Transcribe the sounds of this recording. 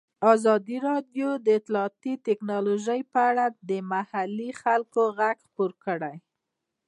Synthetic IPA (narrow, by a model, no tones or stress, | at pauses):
azɑd̪iɾɑdjod̪əɪt̪lɑːt̪it̪ɪknɑloʒəjpəaɽad̪əmahalixalkoɣaɡxpoɾkəɽaj